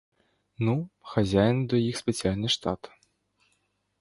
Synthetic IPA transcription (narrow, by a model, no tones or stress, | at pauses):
nuxazʲajnɨd̪ɐjixspʲɛsʲijalʲnɨʂt̪at̪